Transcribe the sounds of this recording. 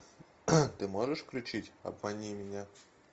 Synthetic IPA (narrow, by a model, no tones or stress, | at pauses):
t̪ɨmoʐɨʂkɾʲʊt͡ɕitʲɐ̰bmɐnʲimʲɪnʲa